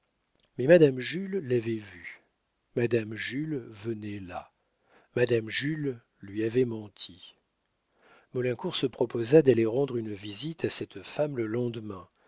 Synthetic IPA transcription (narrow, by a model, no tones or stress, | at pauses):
mɛmad̪amʒylːavɛvy | mad̪amʒylvənɛla̰ | mad̪amʒylː | ɥiavɛmɑ̃t̪ʰi | mɔlɛ̃kuʁsəpχɔpozad̪aleʁɑ̃d̪ʁynvizit̪ʰasɛt̪famləlɑ̃d̪mɛ̃